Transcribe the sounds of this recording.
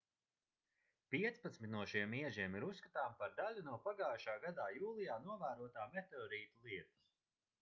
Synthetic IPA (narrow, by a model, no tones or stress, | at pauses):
piɛt̪spat̪smit̪̚ʲnuɔʃiɛmiɛʒiɛmiɾusːkat̪aːmpaɾd̪alʲunuɔpaɡaːjʃaːɡad̪aːjuːlˠijaːnuɔvæːɾuɔt̪aːmet̪eɔːɾiːt̪ulˠiɛt̪u̥s